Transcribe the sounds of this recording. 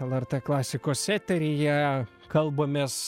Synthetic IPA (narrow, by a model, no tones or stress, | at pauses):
ɛlˠɛrʲt̪eːklˠɑːsʲɪkoːsʲsʲæːt̪ʲɛɾʲɪjɛ | kɐlˠboːmʲeːs